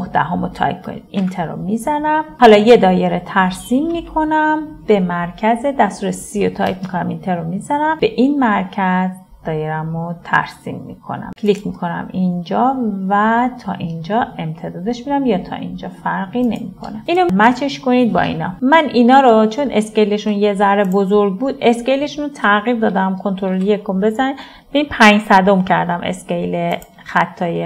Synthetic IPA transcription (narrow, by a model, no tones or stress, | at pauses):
ohd̪æ̰ɦomot̪ʰɒ̰jkʰːonḭd̪̥int̪ʰeɾo̰mizænæmhɒlɒːje̞d̪ɒːjeɾet̪ʰæɾsimːiːkʰo̞næmb̥e̞mæɾcʰæzed̪æst̪uɾesijot̪ʰɒ̰jkmikʰonæmint̪ʰeɾomizænæmb̥e̞ʔinmæɾcʰæz | d̪̥ɒːjeɾæmot̪ʰæ̰ɾsḭmːḭkʰo̞̰næ̰mcʲʰlikʰmikʰo̞næ̰mʔind͡ʒɒːvæt̪ʰɒ̰ːʔind͡ʒɒːe̞mt̪ʰe̞d̪ɒːd̪eʃmid̪æmjɒt̪ʰɒ̰ʔind͡ʒɒːfæɾɣine̞̰mikʰo̰næinomæt͡ʃʰeʃkoniːd̪̚bɒ̰ḭːnɒ̰mæniːnɒːɾot͡ʃʰo̞nʔescejleʃunjezæɾebozoɾɡ̚buːd̪e̞sce̞jleʃunot̪ʰæɣiɾd̪ɒːd̪æmkʰo̞nt̪ʰoɾoljekʰombe̞zæni | beinpʰæɲsæd̪o̞mcʰæɾd̪æmʔḛscejle | xæt̪ʰːɒːje